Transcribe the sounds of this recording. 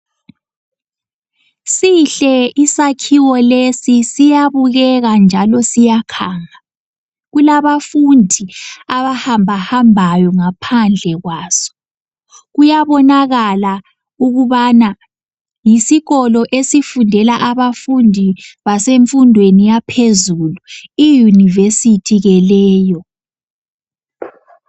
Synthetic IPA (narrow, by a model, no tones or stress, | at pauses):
siɬɛʔisakʰiwɔlesisijaβuɣɛɣand͡ʒʱalɔsijakʰaːŋa | ɣulaβafundʱiaβahambʱahambʱajɔŋapʰand͡ɮʱɛɣwaːsɔ̥ | ɣujaβɔnaɣala | uɣuβana | jisiɣɔlɔʔesifundʱɛlaʔaβafundʱiβaseɱfundʱwenijapʰezuluijunivesitʰiɣɛlɛːjɔ